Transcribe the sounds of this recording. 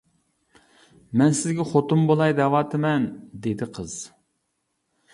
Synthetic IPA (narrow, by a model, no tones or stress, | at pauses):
mɛnsɪzɡʲɛχot̪umbolˠɑjd̪ɛwɑːt̪ʰɪmɛnd̪ed̪ɪqʰəz̥